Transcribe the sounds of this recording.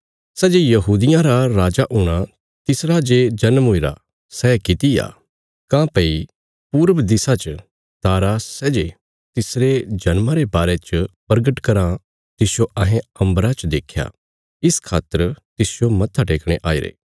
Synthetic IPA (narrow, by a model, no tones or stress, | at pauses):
sɛːd͡ʒejɐɦuːd̪ɪjãɾaɾaːd͡ʒaʔʊɽ̃a | t̪ɪsɾad͡ʒed͡ʒɐnmɦoiɾa̰ | sɛːkɪt̪ija̰ː | kãpɐi | puːɾəʋd̪ɪsat͡ʃə | t̪aːɾasɛːd͡ʒe | t̪ɪsɾed͡ʒɐnmãɾebaːɾet͡ʃəpɐɾɡəʈkɐɾã | t̪ɪsjoɐɦẽɐ̃mbɾat͡ʃd̪eːkʰja̰ː | ɪskʰaːt̪əɾt̪ɪsjomɐt̪ʰːaʈeːkɽ̃eʔaːiɾḛː